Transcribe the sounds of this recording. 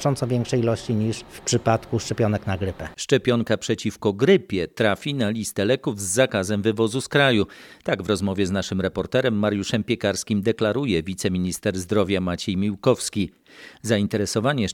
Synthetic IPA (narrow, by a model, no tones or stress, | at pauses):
t͡ʂɔnt̪sɔvʲjɛŋkʂɛjilɔɕt͡ɕiɲiʂfpʂɘpat̪kuʂt͡ʂɛpʲjɔnɛknaɡɾɘpɛʂt͡ʂɛpʲjɔŋkapʂɛt͡ɕifkɔɡɾɘpʲjɛt̪ɾafʲinalʲist̪ɛlɛkuvzːakazɛmvɘvɔzuskɾajut̪aɡvɾɔzmɔvʲjɛznaʂɘmɾɛpɔɾt̪ɛɾɛmːaɾjuʂɛmpʲjɛkaɾskʲimd̪ɛklaɾujɛvʲit̪sɛmʲiɲist̪ɛɾzd̪ɾɔvʲjamat͡ɕɛjmʲiwkɔfskʲi | zaint̪ɛɾɛsɔvaɲɛ